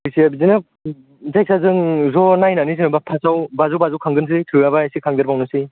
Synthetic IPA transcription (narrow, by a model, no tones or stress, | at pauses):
ɯsiabizinɯ | zaj̚sʰazɯŋzɔnajnanisinɯbapʰasawbazɔwbazawkʰaŋɡɯns̬ʰɯtʰɯabasikʰaŋdɯɾbawnɯsi